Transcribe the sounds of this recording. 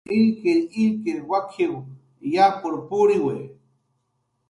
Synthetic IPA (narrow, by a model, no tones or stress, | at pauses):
ikeikewakʰiw | japʊɾpuɽiwe